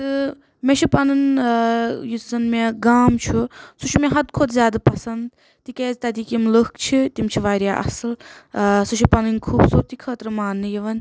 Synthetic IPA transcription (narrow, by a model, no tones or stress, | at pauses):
t̪ɨ | meʃʰipɐnɨn | jusizɐnmeɡaːmt͡ʃʰusut͡ʃʰumeɦɐd̪kʰod̪zʲjaːd̪apɐsɐnd̪ | t̪ikeːzt̪ɐd̪iːkimlɨkt͡ʃʰit̪imt͡ʃʰiʋaːɾjaːʔɐ̰sɨlsut͡ʃʰipɐnɨnkʰuːbsuɾt̪ikʰəːt̪ɾɨmaːnːɨjiʋɐn